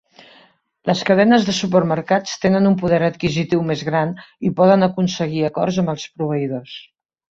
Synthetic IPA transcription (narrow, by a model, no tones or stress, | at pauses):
ləskəðɛnəzðəsupərməɾkat͡st̪enənumpuðɛɾət̪kizit̪iwmezɣɾanipɔðənəkunsəɣiəkɔ̰rzəmbəlˠspɾuβ̞əiðos